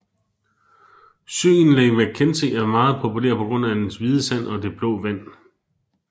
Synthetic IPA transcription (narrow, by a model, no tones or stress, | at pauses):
sø̰ːn̩leʋe̥kʰense̝̰ːæmɑ̈ːð̞̩ˠpʰo̝pʰulḛɐ̰pʰɒ̽ɡ̥ʁɔ̽n̰æd̥ensʋið̞ˠəsæn̰ɒ̽d̥e̝b̥lɔ̰ːʋæn̰